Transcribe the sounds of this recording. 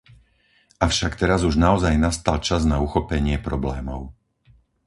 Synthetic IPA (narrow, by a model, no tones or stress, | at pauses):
ʔafʊʃakt̪ɛɾazuʒnaɔzajnast̪alt͡ʃaznauxɔpɛɲɪɛpɾɔblɛːmɔʊ